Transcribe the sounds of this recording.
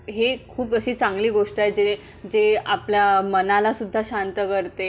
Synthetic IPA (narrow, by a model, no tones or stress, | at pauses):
ɦekʰuːpəɕiːt͡saŋɡliːɡoʂʈaed͡ze | d͡zeapljamənalasud̪ʱːaɕant̪əkəɾt̪e